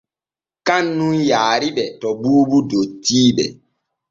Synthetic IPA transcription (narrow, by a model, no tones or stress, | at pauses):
kanːunjaːɾiɓɛtɔbuːbudotːiːɓɛ̰